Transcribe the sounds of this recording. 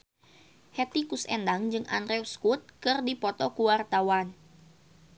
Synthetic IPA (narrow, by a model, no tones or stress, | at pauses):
hɛt̪ikusɛ̰ndaŋd͡ʒɨŋʔa̰nrɛwskut̪̚kɨrdipɔt̪ɔkuwart̪awan